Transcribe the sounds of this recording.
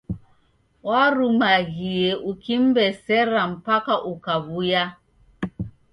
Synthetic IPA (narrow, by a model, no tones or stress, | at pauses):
waɾumaɣieʔukim̩bɛsɛɾam̩pakaʔukaβuja